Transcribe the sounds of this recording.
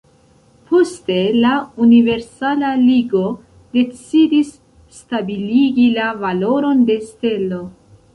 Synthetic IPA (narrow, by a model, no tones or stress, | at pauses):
pʰo̞ste̞launive̞ɾsalaliɡo̞ | de̞t͡sidisː | tabiliɡilavalo̞ɾo̞nde̞ste̞lo̞